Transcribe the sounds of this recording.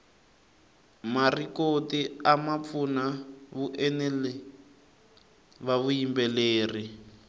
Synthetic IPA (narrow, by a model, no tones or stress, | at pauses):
marikotiamap̪funaβuʔɛnɛlɛ | βaβujimbɛleːri